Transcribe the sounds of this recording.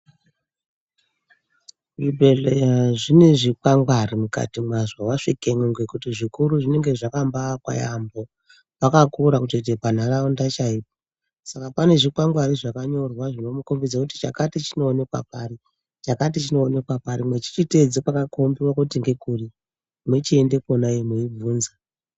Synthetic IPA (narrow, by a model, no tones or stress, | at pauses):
ʐibʱe̞lejaʐineʐikwaŋɡwarimuka̰timwazawaʂikemuŋɡekutiʐikuɾuʐine̞ŋɡe̞ʐakambakwa̰jambo̞ | pakakuɾakutet̬epan̤araundat͡ʃaip̚o | sakapane̞ʐikwaŋɡwariʐakaɲo̞rwaʐino̞mukombid͡zakuti̥t͡ʃa̰katit͡ʃino̞ːne̞kwa̰pari | t͡ʃakatit͡ʃino̞ːne̞kwapaɾimwe̞t͡ʃi̥t͡ʃite̞d͡zipakakombiwakutiŋɡe̞kuri | mwet͡ʃie̞nde̞konaimuib͡vuːnza